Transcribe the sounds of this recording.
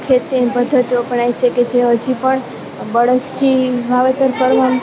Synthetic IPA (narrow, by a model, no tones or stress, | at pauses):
kʰet̪ebəd̪ʱət̪opəɳajt͡ʃʰeked͡ʒʰeɦəd͡ʒipəɳ | bəɽət̪ʰt̪ʰibʱaʋet̪əɾkəɾʋan